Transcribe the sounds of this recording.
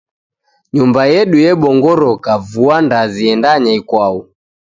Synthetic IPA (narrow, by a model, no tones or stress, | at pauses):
ɲumbajɛɗujɛɓɔŋɡɔɾɔkavuandaziɛndaɲaikwau